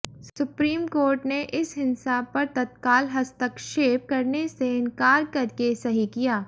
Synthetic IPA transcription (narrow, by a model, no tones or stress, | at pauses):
ssʊpɾiːmkoːɾʈneʔɪsɦɪnsapɐɾt̪ɐt̪kaːlɦɐst̪əkʃeːp̚kɐɾneseɪ̃nkaːɾkɐɾkesɐɦikijaː